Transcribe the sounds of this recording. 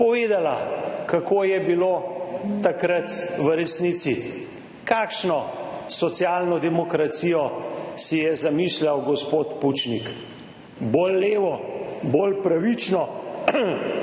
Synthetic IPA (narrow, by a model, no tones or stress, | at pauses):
pɔʋeːd̪alakakoːjɛbiloːt̪akɾat̪ʋəɾɛsnit̪si | kaːkʃnɔsɔt̪sjaːlnɔd̪ɛmɔkɾat̪sijɔsijɛzamiːslawɡɔspoːt̪put͡ʃnik | bolːeːʋɔbolpɾaʋit͡ʃnɔ